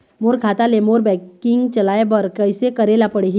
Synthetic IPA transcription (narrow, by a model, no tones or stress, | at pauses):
moːɾɡʱaːt̪alemoːɾbɛ̃ːkɪ̃ŋɡt͡ʃɐlaːebɐɾkəɪsekɐɾeːlapəɽeɡi